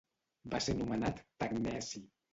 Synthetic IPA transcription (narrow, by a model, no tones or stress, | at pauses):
basenumənat̪ːaknɛsi